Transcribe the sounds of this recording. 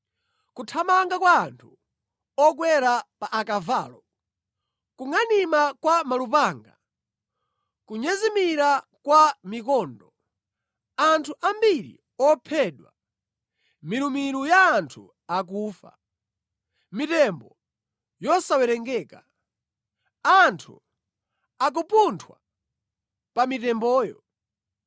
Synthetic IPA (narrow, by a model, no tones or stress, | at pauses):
kutʰamaŋɡakwaːntʰu | ɔkwɛɾapaʔakava̰ːlɔ | kuŋanimakwamalupaːŋɡa | kuɲɛzimiɾakwamikɔːndɔ | antʰuʔambiɾḭ | ɔpʰɛɗwa̰ | miɾumiɾujaːntʰṵ | ak̬uːfa̰ | mitɛmbɔ | jɔsawɛɾɛŋɡɛːka | antʰṵ | ak̬upuntʰwa̰ | pamitɛmbɔːjɔ̰